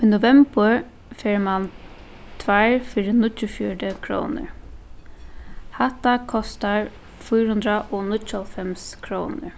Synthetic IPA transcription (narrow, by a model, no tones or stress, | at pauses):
iːnʊvɛmbəɹ | fɛɹman | t̪ʰvaɹfɪɾɪnʊtːʊfjɔɖəkʰɾɔ̰ːnə̰ɹ | hat̪akʰɔst̪aɹ | fʊjɾhʊnd̪ɾaʔɔnʊt͡ʃːalfɛmskʰɾoːnə̰ɹ